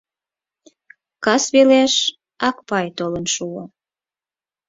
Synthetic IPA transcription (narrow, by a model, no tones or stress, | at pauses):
kɑsβeleʃ | ɑkpɑjt̪olənʃuo